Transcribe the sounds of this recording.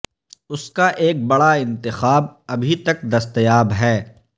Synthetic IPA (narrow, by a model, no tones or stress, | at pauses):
ʊskaʔeːk̚bɐɽaɪ̃nt̪ɪxaːb̚ɐbʱit̪ɐk̚d̪ɐst̪jaːbɦɛː